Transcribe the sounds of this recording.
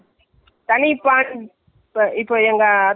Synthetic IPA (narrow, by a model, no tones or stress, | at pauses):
t̪ɐnipaːn | ɪpːoːɛŋɡɐː